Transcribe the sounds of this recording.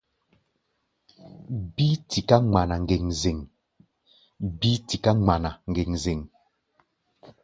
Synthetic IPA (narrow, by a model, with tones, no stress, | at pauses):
bi˦ti˨ka˦ŋ͡ma˨na˨ŋ˨ɡe˨ŋze˨ŋ | bi˦ti˨ka˦ŋ͡ma˨na˨ŋ̩˨ɡe˨ŋze˨ŋ